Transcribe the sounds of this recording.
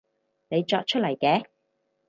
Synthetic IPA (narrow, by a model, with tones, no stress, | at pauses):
ne˨˧jt͡ʃɔː˧t̚t͡ʃʰɵ˥lɐ˨˩jkɛː˨˧